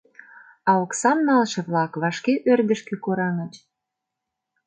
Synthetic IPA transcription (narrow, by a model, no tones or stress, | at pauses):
ɑoksɑmnɑlʃĕβlɑkβɑʃkeʔørd̪əʃkĕkoɾɑŋət͡ɕ